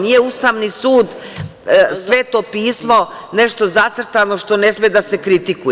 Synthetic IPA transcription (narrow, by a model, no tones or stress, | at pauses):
nijeust̪aʋnisuːd̪ | sʋet̪opiːsmo̞ | ne̞ʃt̪o̞zat̪sr̩t̪ano̞ʃt̪o̞ne̞smed̪ase̞kɾit̪ikuj